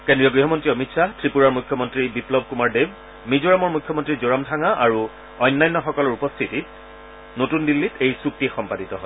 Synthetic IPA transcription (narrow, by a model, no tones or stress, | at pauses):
kendɹijɔɡɹiɦɔmɔntɹiɔmitsatʰɹipuɹaɹmujkʰːjɔmɔntɹibiplɔb̚kumaɹdeb | mizoɹamɔɹmujkʰːjɔmɔntɹizoɹamdʰʱaŋaʔaɹu | ɔjnːajnːɔxɔkɔlɔɹupɔstʰitit̚ | notundilːitejsuk̚tixɔmpaditɔɦɔj